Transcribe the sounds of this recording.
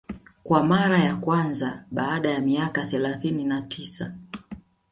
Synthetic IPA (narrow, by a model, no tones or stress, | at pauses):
kwamaɾajakwanzaɓaːɗajamiakaθɛlaθininatʰisa